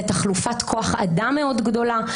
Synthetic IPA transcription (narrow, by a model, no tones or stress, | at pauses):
etaχlufatkʰo̞aχa̰dame̞o̞dɡdo̞la